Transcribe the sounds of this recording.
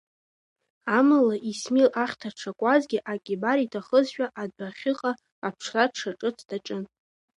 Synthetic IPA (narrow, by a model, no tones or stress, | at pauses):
amalaʔismilaχʲtʰaʈ͡ʂʰakʷʼazɡʲɪʔakʲʼibaɾitʰaχəzʃᶣaʔadaχʲɪqʼa | apʰʂʰraʈ͡ʂʰaʈ͡ʂʼɨt͡sʰd̥aʈ͡ʂʼɨn